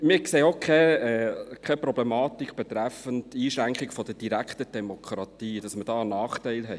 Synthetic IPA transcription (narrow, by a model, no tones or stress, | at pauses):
mɪːkseːokʰχɛɛkʰɛpɾɔblɛmɑːt̪ikʰb̥ɛt̪ɾæfəntiːʃɾæŋkχikfɔd̥əd̥iɾæktəd̥ɛmokʰɾɑtiːd̥ɑsməd̥ɑːənɑːχtɛɪlɦɛ